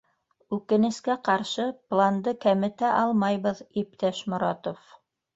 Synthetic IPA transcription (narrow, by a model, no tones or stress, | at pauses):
ʉkɘ̆nɘ̆skæqɑɾʃɤplˠand̪ɤkæmɘ̆t̪æʔɑlˠmɑjβɤðip̚t̪æʃmŏɾɑ̰t̪of